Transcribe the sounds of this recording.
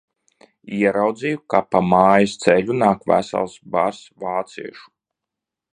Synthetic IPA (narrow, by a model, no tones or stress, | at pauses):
iɛɾawd̪zijukapamaːjast̪sɛʎunaːkvæ̰sa̰lˠsbaɾsvaːt̪sḭɛʃu̥